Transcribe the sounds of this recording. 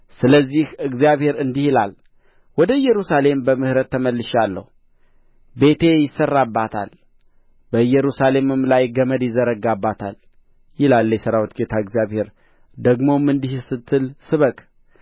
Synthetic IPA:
sɨləzːihɨɡzijaβhe̞ɾɨnd̪ihɪlal | wɔd̪əɨjːɛɾusale̞mbəmɨhɨɾət̪ʰːəməlːɨʃalːə̰hu | be̞t̪ʰe̞jɪsːərːabːat̪ʰa̰l | b̥əɨjɛɾusale̞mɨmlajɡəməd̪jɪzəɾəɡabːat̪ʰal | jɪlaljɛsəɾawt̪ɡet̪ʰaɨɡzijaβhe̞ɾ | d̪əɡmo̞mːɨnd̪ihsɨt̪ʰːɨlsɨβəkʼ

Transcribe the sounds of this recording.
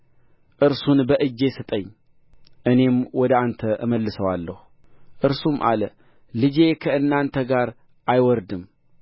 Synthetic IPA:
ʔɨɾsunbəʔɨd͡ʒːe̞sɨt̪ʼəɲː | ʔɨne̞mwɔd̪əant̪ʰəʔɨməlːɨsəwalːəhu | ʔɨɾsumʔa̰lə | lɨd͡ʒe̞kʰəɨnːant̪ʰəɡaɾ | ʔajwɔɾd̪ɨm

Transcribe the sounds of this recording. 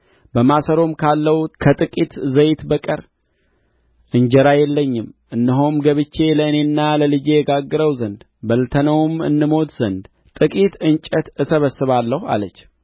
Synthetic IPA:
bəmasəɾo̞mkʰalːəhukʰət̪ʼɨkʼit̪zəjt̪bəkʼəɾ | ʔɨɲd͡ʒɛɾajɛlːəɲːɪmʔɨnːəɦomɡəβɨt͡ʃːe̞ləɨne̞nːaləlɨd͡ʒe̞jɛɡaɡːɨɾəwzənd̪ | bəlt̪ʰənəwmɨ̰nːɨmo̞t̪zənd̪ | t̪ʼɨkʼit̪ɨnt͡ʃʼət̪ɨsəβəsːɨβalːəha̰lət͡ʃː

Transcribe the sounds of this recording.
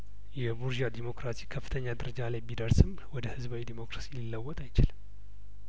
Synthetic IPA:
jɛbuɾd͡ʒad̪imo̞kɾasikʰəfːɨ̥t̪ʰəɲːad̪əɾəd͡ʒalajbid̪əɾsɨm | wɔd̪əhɨzbawid̪imo̞kɾasililːəwːɔt̪ʼajt͡ʃɪlɨm

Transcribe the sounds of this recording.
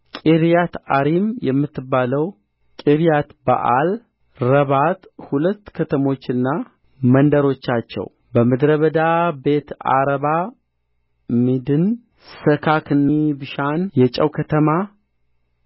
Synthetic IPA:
kʼiɾijat̪aɾimjɛmːɨt̪ːɨbːaləw | kʼiɾijat̪ba̰ʔal | ɾəβat̪hulət̪ːkʰət̪ʰəmo̞t͡ʃːɨnːa | mənd̪əɾo̞t͡ʃːat͡ʃːɛ̰w | bəmɨd̪ɾəβəd̪abe̞t̪a̰ɾəβa | mid̪ɨn | səkʰakʰɨnːibɨʃanjɛt͡ʃʼəwkʰət̪ʰəma

